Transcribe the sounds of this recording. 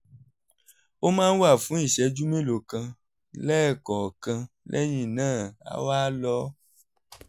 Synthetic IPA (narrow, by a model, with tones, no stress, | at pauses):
o˦mãː˦n̩˦wa˦˨fũ˨˦i˦˨ʃɛ˨˦d͡ʒu˦mẽ˦lo˨kã˧ | lɛ˦˨kɔ˨kã˧ | lʔɛ̰˦ɲĩ˦˨nãː˦˨a̰˨wa˦lɔ˦